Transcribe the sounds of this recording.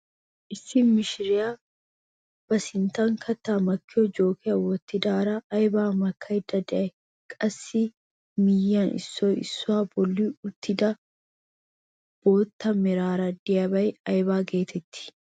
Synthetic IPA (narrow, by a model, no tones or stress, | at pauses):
ʔɪsːɪmɪʃɪɾɪjaː | b̥ɐsɪnt̪aŋkʰɐt̪ːaːmɐkːɪɔd͡ʒo̞ːkʰɪɐwɔt̪ːɪd̪aːɾaːjbaːmɐkʰːɐɪd̪ɐd̪ɛɐ | kʼɐsːi | mɪjːanɪ̰sːoɪ̰sːʊaːbɔlːiːʊt̪ːɪd̪a | b̥o̞ːt̪ːɐmɪɾaːɾɐd̪ɪjɐbɐjɐjbaːɡe̞ːt̪ɛt̪ːɪ̥